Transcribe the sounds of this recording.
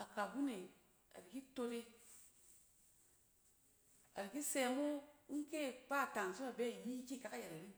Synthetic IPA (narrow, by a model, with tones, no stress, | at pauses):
a˨ka˨bu˦ne˨ | a̰˨ɾi˨ki˦to˧ɾe˦ | a̰˨ɾi˨ki˦se˧mo˦ŋ̩˦ke˦˨pa˦˨ta˨ŋ˨so˦a˨be˦˨i˨bi˦ki˦˨ka˨ka˦ja˨ɾa˨ɾi˦